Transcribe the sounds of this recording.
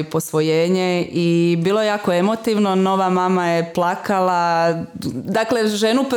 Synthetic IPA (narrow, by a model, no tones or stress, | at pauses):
ipo̞sʋojeːɲeibiːlˠojejaːkoe̞mo̞t̪iʋnono̞ʋamaːmajeplˠakala | d̪akle̞ʒenup